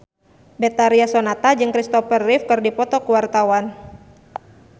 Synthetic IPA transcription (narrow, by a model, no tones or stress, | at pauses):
bɛt̪aɾiasonat̪ad͡ʒɨŋkɾist̪ɔfərːifkɨrdipɔt̪ɔkuwart̪awan